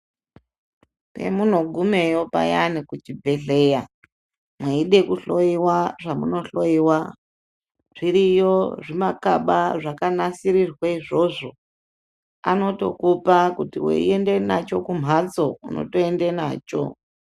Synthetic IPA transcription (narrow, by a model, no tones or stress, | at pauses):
pe̞̰mun̤o̞ɡʱume̞jo̞pa̰janikut͡ʃibʱe̞ɮe̞ja | mweiɗe̞kuɬo̞iwaʐamuno̞ɬo̞jiwa | ʐ̥iɾijo̞ʐimakaɓaʐakanasiɾirweiʐo̞ʐo̞ | a̰no̞to̞kupakutiwḛḭende̞nat͡ʃo̞kum̤at͡so̞uno̞̰to̞endena̰ːt͡ʃo̰